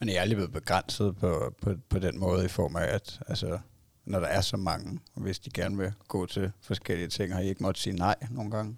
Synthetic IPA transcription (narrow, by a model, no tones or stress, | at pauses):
menjɑɑɪlible̝ð̩ˠb̥eɡ̥ʁan̰sð̞̩ˠpʰɒpʰɒ̽pʰɒ̽d̥enmɔ̽ːð̞̩ˠifɒ̰ːmææd̥ælsə | nɒɾ̥ɑ̈æɐsɒ̽mɑ̈ŋəʋe̝sd̥iɡ̥æɐnəʋe̝ɡ̥ɔ̰̽ːt͡sʰe̝fɒ̽sɡ̥el̰iət͡sʰe̝ŋ̰hɑ̈ie̝ɡ̥mɒ̥siːnɑ̈ɪ̰no̝ːn̩ɡ̥ɑ̈ŋə